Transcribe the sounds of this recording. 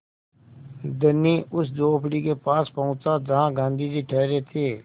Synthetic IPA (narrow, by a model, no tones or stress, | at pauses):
d̪ənːiʊsdoːpʰɽikepaːspɐɦʊ̃t͡ʃad͡ʒɐɦãɡãːnd̪ʱid͡ʒiʈʰɛːɾet̪ʰeː